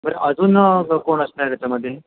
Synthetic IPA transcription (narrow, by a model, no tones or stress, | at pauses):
bəɾeʔəd͡zuːnəkoɳəsnat̪jat͡ɕaməd̪ʱːje